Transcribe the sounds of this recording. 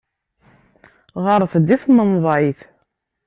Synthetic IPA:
ʁɑɾˤəθd̪iθmənðˤʕiθ

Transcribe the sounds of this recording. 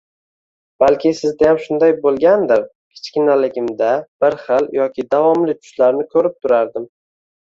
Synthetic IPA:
b̥alkʲʰɪsɪzd̪ajamʃʊnd̪ajbolˠɡʲand̪ɪɾ | kʲʰɪ̥t͡ʃkʲɪnalɪɡʲɪmd̪ab̥ɪɾχɪljɒkʲʰɪd̪avɒmlɪt͡ʃʰʊ̥ʃlaɾnɪkʰɵɾɪp̚t̪ʰʊɾaɾd̪ɪm

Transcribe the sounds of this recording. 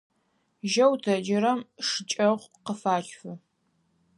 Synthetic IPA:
ʒɐwtʰɐd͡ʒɪɾɐmʂɨt͡ʃʼɐʁʷqəfaːt͡ʃʼfɨ

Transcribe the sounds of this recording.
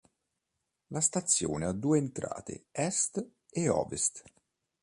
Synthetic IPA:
last̪at̪sːjo̰ːnead̪ːuːeːnt̪ɾa̰ːt̪ḛɛst̪ | eɔ̰ːvest̪

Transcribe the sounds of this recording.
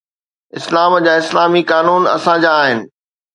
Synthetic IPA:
ɪslaːmd͡ʑaːɪslaːmikaːnuːnɐ̰sãd͡ʑaːɦɪnɪ̆

